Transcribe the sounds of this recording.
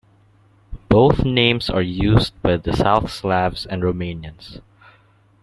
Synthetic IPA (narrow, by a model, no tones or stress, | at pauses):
b̥oʊθnẽɪ̃mzə˞juːzd̚baɪðəsaʊθslævzɛ̃nɹomẽɪ̃njɨ̃nz̥